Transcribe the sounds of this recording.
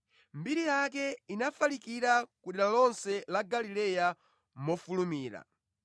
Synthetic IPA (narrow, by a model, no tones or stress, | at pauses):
mbiɾijak̬ɛinafalikiɾakuɗɛɾalɔnsɛlaɡalilɛja | mɔfulumiːɾa̰